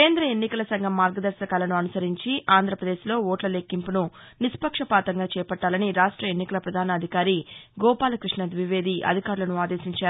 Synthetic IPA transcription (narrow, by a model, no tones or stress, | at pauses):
keːnd̪ɾɐe̞nːikɐlɐsɐŋɡʱɐmːaːɾɡɐd̪ɐɾʃɐkaːlɐnuɐnusɐɾiɲt͡ʃiʔaːnd̪ʱɾɐpɾɐd̪eːʃlo̞ːoːʈlɐleːkːimpunu | nispɐkʂɐpaːt̪ɐŋɡaːt͡ʃɛːpɐʈːaːlɐniɾaːʂʈɾɐe̞nːikɐlɐpɾɐd̪ʱaːnɐːd̪ʱikaːɾiɡɔːpaːlɐkɾiʂnɐd̪ʋiʋe̞ːd̪iʔɐ̰d̪ʱikaːɾulɐnuaːd̪eːsiɲt͡ʃaːɾu